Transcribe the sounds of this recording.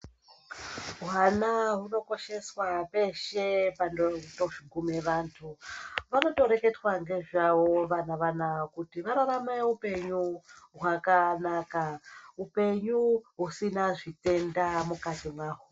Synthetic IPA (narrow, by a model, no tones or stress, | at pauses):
ɦanaɦuno̞ko̞ʃe̞swape̞ʃe̞pandoto̞ʐiŋɡumeʋantʰuʋano̞to̞ɾe̞ke̞twaŋɡe̞ʐawo̞ʋanaʋanakutiʋaɾaɾameupe̞ɲuɦwakanakaupe̞ɲuɦusinaʐite̞ndamukatimwaːɦo